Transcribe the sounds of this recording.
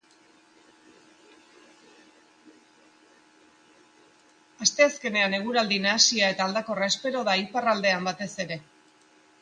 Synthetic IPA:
ast̪e̞aske̞ne̞ane̞ɣ̞uɾald̪inasiae̞t̪aːld̪ako̞raespe̞ɾo̞ð̞aiparald̪e̞ambat̪e̞se̞ɾe̞

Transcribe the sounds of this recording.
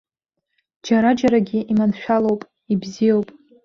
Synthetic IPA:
d͡ʒaɾad͡ʒaɾaɡʲiʔimanʃᶣalowpʼ | ibzijowpʼ

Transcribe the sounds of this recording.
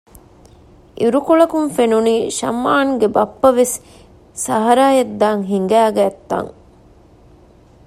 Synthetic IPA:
ʔiɾukoɭɐkumfenuniːʃɐ̰mːaːnɡebɐpːɐʋes | sɐɦɐɾaːjɐd̪ːaːŋɦiŋɡæːɡæːt̪ːɐ̰ŋ

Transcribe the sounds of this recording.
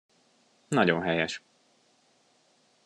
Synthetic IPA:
nɒɟonɦɛjɛʃ

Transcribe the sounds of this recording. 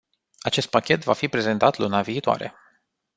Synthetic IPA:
at͡ʃe̞st̪̚pakʲe̞t̪vafipɾe̞ze̞nt̪at̪lunaviːt̪oa̰ɾe̞̰

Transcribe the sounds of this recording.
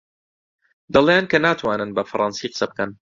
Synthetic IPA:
d̪ɐlˠejankɐnaːt̪ʰwaːnɨnbɐfɐɾˤʔɑnsiːqə̥sɐbɨkɐn

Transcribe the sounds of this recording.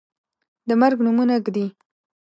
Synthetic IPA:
d̪əmaɾɡnumunaɡd̪i

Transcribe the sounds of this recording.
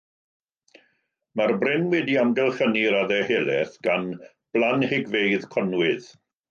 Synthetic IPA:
marbrɪnwɛdiamɡɛlˠχəniɾaðɛheːlˠɛθɡ̥an | b̥lˠanhɪɡvejðkʰɔnwɪð

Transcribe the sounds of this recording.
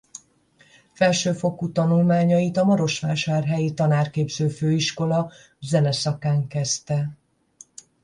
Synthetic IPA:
fɛlʃøːfo̞kut̪ɒnulmaːɲɒjit̪ɒmɒɾo̞ʃʋaːʃaːrɦɛjit̪ɒnaːrkeːbzøːføːiʃko̞lɒ | zɛnɛsɒkaːŋkɛst̪ɛ

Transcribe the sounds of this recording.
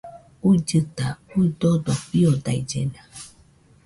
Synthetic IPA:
uid͡ʒɨt̪auid̪od̪opiod̪aid͡ʒḛna

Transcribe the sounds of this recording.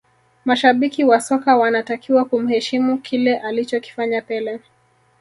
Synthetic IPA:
maʃaɓikiwasɔkawanatakiwakum̩hɛʃimukʰilɛʔalit͡ʃɔki̥faɲapɛlɛ

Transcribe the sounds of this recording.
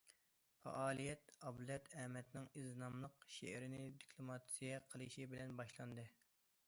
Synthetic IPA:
fɑ̰ʔɑːlˠijɛt̪ɑblˠɛt̪ʰɛmɛt̪nɪŋizɨnɑmlˠəqʃḛɾɪnɪd̪ikʰlˠomɑt̪sijɛqʰəlˠɨʃibɪlɛnbɑʃlˠɑnd̪ɨ

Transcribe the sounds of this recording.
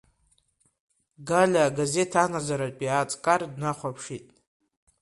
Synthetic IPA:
ɡalʲaɡaze̞tʰanazaɾapʼiat͡sʼkʼardnaχʷapʰʂitʼ

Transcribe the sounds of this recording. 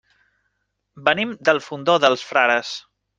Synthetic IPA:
bənimd̪əlˠfund̪oðəlˠsfɾaɾəs

